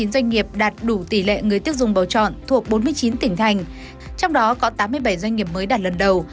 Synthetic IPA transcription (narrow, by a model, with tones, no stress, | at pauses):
i˨˦nzwa˧jŋ̟ŋi˨˩əp̚ɗaː˨˩t̚ɗu˧˩t̪i˧˩lḛ˧˨ŋɨ˨˩əjt̪i˦˥ək̚zʊ̰˨˩ŋ͡mɓə̰˨˩wt͡ɕɔ̰˧˨nt̪ʰu˨˩ək̚ɓo˨˦nmɨ˧əjt͡ɕi˨˦nt̪ï˧˩ŋ̟t̪ʰa˨˩jŋ̟ | t͡ɕɔ˧wŋ͡mɗɔ˨˦kɔ˨˦t̪aː˨˦mːɨ˧əjɓa˧˩jzwa˧jŋ̟ŋi˨˩əp̚məː˨˦jɗaː˨˩t̚lə˨˩nɗə˨˩w